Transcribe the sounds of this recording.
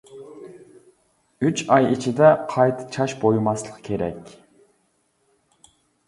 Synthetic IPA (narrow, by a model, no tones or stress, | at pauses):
yt͡ʃɑjit͡ʃʰid̪ɛqʰɑjt̪ʰɨ̥t͡ʃʰɑʃbojumɑslˠəqkʲʰeɾɛ̰kʲ